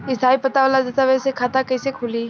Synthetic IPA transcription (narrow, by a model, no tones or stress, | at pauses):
ɪsd̪ʱajpət̪aʋəlad͡zət̪aʋəsekʰat̪akəjsekʰuliː